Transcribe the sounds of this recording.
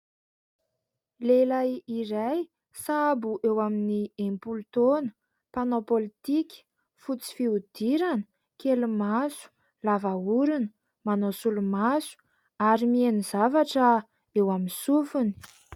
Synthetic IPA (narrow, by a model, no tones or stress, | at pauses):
lelajiɾaj | sabuʔewaminiẽmpult̪onə̥ | panopolit̪ikʲi̥ | fut͡si̥fiud̪̥iɾanə | kelumasu̥ | lavauɾunə̥ | manosulumasu̥ | aɾimienizavaʈ͡ʂə | ewaminsufuni̥